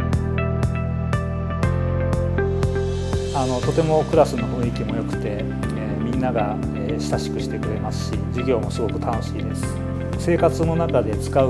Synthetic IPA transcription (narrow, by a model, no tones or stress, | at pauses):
ano̞t̪o̞t̪e̞mo̞kɯ̟ɾasɨno̞ɸɯ̟̃ɰ̃ikʲimo̞jo̞kɯ̟̥t̪e̞ | mʲĩnːaɡa | eɕi̥saɕi̥kɯ̟ɕi̥t̪e̞kɯ̟ɾe̞masɨ̥ɕid͡ʑiɡʲo̞ːmo̞sɨɡo̞kɯ̟̥t̪ʰano̞ɕḭːd̪e̞sɨ̥ | se̞ːkat͡sɨno̞nakad̪e̞t͡sɨ̥kaɯ